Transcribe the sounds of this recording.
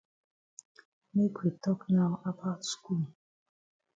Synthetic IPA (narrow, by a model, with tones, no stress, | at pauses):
me˦kʰwi˨tʰɔ˦kna˦ʊa˨pʰa˦tsku˦˨l